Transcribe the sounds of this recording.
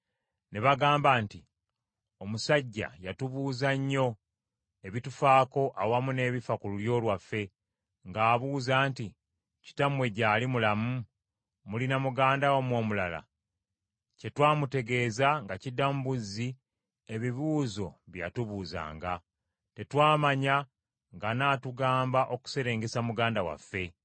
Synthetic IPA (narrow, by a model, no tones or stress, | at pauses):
neβaɡaːmbaːnti | o̞musaɟːa̰jatuβuːzaɲːo̞ | e̞βitufaːko̞ʔawamune̞ːβifakululjo̞ːlwafːe̞ | ŋɡaːβuːzaːnti | ci̥tamwe̞ɟaːlimulamu | mulinamuɡaːndawamwo̞ːmulala̰ | ce̞twaːmute̞ɡe̞ːzaŋɡacidːamubuzi | e̞βiβuːzo̞βja̰tuβuːza̰ːŋɡa | te̞twaːmaɲa | ŋɡanaːtuɡaːmbaʔo̞ku̥se̞ɾe̞ːŋɡe̞samuɡaːndawa̰fːe̞